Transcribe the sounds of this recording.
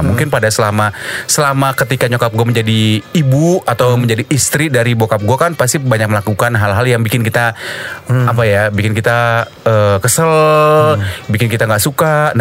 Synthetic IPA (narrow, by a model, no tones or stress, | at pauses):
muŋkɪnpadasəlamasəlamakət̪ikaɲokap̚ɡuaməɲd͡ʒadiːbuat̪awməɲd͡ʒadiʔːst̪ɾidaɾibokap̚ɡuakanpast̪ibaɲak̚məlakukanɦalɦaljaŋbikɪnkit̪a | apajabikɪnkit̪a | əːkəsəl | bikɪnkit̪aŋɡaʔsukan